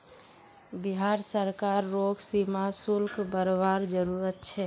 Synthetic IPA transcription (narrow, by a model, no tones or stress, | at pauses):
biɦaɾsəɾkaɾːoɡsimasulkʰbəɾʋaɾd͡ʒəɾuɾət̪t͡ʃʰɛ